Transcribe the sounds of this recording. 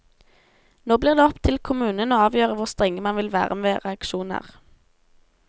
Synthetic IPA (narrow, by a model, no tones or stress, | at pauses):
noːbliːʁd̪eːɔpt̪ʰɪlkʰʊmʉːnənoːɑːʋjøːʁəʋʊʁst̪ʁɛŋːəmɑnʋɪlʋæ̰ːʁəmeːʁɛɑkʃuːnə̰ʁ